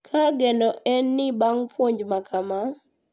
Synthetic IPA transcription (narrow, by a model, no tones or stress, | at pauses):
kʰaɡɛndɔʔɛnːɪbaŋpʰwoɲd͡ʒmakʰama